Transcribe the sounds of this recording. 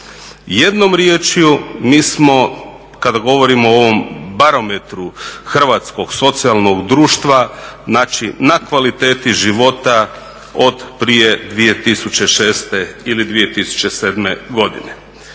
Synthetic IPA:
jed̪no̞mɾjeːt͡ʃjumiːsmo̞ | kad̪aɡo̞ʋo̞ɾimooʋo̞mbaɾo̞met̪ɾuxr̩ʋat̪sko̞ɡ̥so̞t̪sijalˠno̞ɡd̪ɾuːʃt̪ʋaznaːt͡ʃinakʋalit̪e̞ːt̪iʒiʋo̞t̪a | o̞d̪pɾije̞d̪ʋije̞t̪isut͡ɕe̞ʃe̞ːst̪e̞ilid̪ʋije̞t̪isu̥t͡ɕe̞seːd̪me̞̰ɡo̞d̪ḭne

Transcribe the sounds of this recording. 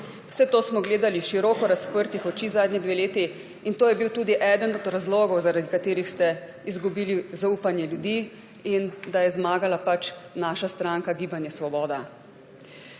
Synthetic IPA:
w̥sɛt̪oːsmɔɡleːd̪aliʃiɾɔːkɔɾaspəɾt̪ixɔt͡ʃiːzaːd̪nid̪ʋeːleːt̪i | int̪oːjɛbiwt̪uːd̪iʔɛd̪ənɔd̪ɾazloːɡɔwzaɾad̪ikat̪eːɾixst̪ɛ | izɡubiːlizauːpanjɛljud̪iː | ind̪ajɛzmaːɡalapat͡ʃnaːʃast̪ɾaːŋkaɡiːbanjɛsʋɔbɔːd̪a

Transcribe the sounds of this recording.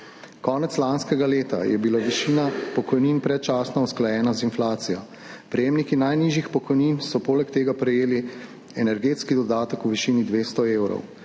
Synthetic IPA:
kɔːnɛt̪slanskɛɡaleːt̪a̰jɛbilaʋiʃiːnapɔkɔjniːnpɾɛt̪̚t͡ʃaːsnɔusklajɛːnazinflaːt̪sijɔ̰ | pɾɛjeːmnikinajniːʒjixpɔkɔjniːnsɔpoːlɛkt̪eːɡapɾɛjeːli | ɛnɛɾɡeːt̪skid̪ɔd̪aːt̪əkuʋiʃiːnid̪ʋeːst̪ɔeːwɾɔ̰w

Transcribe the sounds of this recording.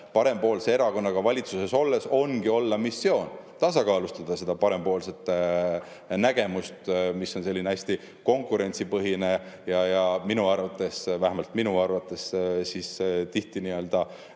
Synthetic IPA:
pɑɾe̞mpo̞ːlse̞e̞ɾɑko̞nːɑɡ̥ɑvɑlʲit̪suseso̞lːe̞so̞nɡ̥io̞lːɑmisːjo̞ːnt̪ɑsɑkɑːlust̪ɑd̪̥ɑse̞d̪̥ɑpɑɾe̞mpo̞ːlse̞t̪ːˑ | næɡ̥e̞must̪misːo̞nse̞lʲːineæsʲt̪i | ko̞ŋkˑuɾe̞nʲtsipɤɦine̞jɑjɑminuɑrvɑt̪ːˑe̞svæhemɑlt̪ˑminuɑrvɑt̪ːˑe̞ssist̪iht̪iniø̞ld̪̥ɑ

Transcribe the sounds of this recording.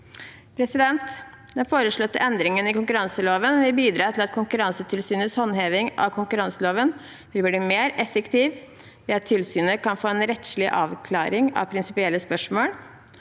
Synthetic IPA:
pʰɾɛsɪd̪ɛnt̪ | d̪̥ɛnfoːɾəʂɭɔt̪ːə̰ʔɛnd̪ɾɪŋənɪkʊŋkʉɾɑŋsəloːʋənʋɪlbiːd̪ɾɑːt̪ʰɪlɑt̪kʰʊŋkʉɾɑnsət̪ʰɪlsyːnəshɔnːheːʋɪŋɑ̰kʰʊŋkʉɾɑŋsəloːʋən | ʋɪlbliːmeːɾɛfəkt̪ʰiːʋ | ʋɪɑt̪ʰːɪlsyːnəkɑnfoːeːnɾɛt̪ʂɭɪʔɑːʋkʰlɑ̰ːɾɪŋɑ̰ʋpʰɾɪnsɪpɪɛlːəspœʂmoːl

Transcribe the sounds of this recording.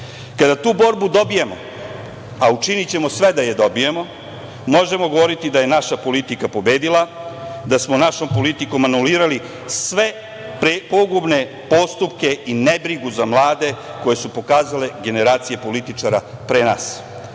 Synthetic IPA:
kad̪at̪uːbo̞ɾbud̪o̞bijemo̞̰ | aut͡ʃinit͡ɕe̞mo̞sʋe̞d̪ajed̪o̞bijemo̞ | mo̞ʒe̞mo̞ɡo̞ʋo̞ɾit̪id̪aje̞naʃapo̞lit̪ikapo̞beːd̪ilad̪asmonaʃo̞mpo̞lit̪iko̞manuliːɾali | sʋe̞ | pepo̞ɡubne̞ | po̞st̪upke̞inebɾiɡuzamlˠaːd̪e̞ko̞je̞supo̞kaːzale̞ɡe̞ne̞ɾaːt̪sije̞po̞lit̪it͡ʂaɾapɾena̰ːs

